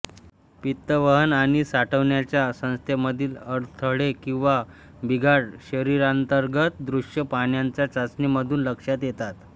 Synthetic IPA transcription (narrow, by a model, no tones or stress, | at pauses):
pit̪ːəʋəɦənaɽ̃isaʈʰəʋɳjat͡ɕjasə̃w̃st̪ʰeməd̪ʱiːləɾt̪ʰəɽekĩw̃ʋa | bʱiɡʱaɽɕəɾiɾant̪əɾɡət̪̚d̪ɾuʂjəpaɳjaɲt͡sjat͡sat͡sniməd̪ʱuːnləkʂjat̪jet̪at̪